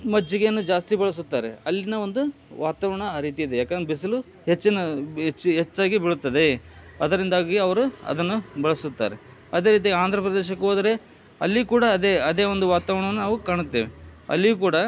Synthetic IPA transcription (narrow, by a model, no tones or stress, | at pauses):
mɐd͡ʒiɡenːud͡ʒaːst̪ibɐɭɐs̬ut̪ːaːɾḛɐlːinɐo̞nd̪uʋaːt̪aːʋɐɾɐɳɐːɾiːt̪iid̪ejaːkend̪ɾebis̬ɐlu | ɦet͡ʃːinɐt͡ʃːɦet͡ʃːaːɡibiɭut̪ːɐd̪e̞ɐd̪ɐɾind̪aːɡiɐʋɐɾuɐ̰d̪ɐnːubɐɭɐsut̪ːa̰ːɾe | ɐd̪e̞ːɾiːt̪ijaːɡiaːnd̪ʱɾɐpɾɐd̪eːʃɐkːuɦoːd̪ɐɾe̞ | ɐlːikuːɽɐːd̪eɐd̪e̞ːo̞nd̪uʋaːt̪aːʋɐɳɐʋɐnːunaːʋukaːɳut̪ːeːʋeɐ̰lːijukuːɽɐ